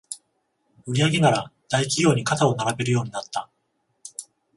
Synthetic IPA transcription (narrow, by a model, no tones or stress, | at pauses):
ɯ̟ɾʲiaɡe̞naɾad̪̥aikʲiɡʲo̞ːɲ̟ikat̪ao̞naɾabe̞ɾɯ̟jo̞ːɲ̟inat̪ːa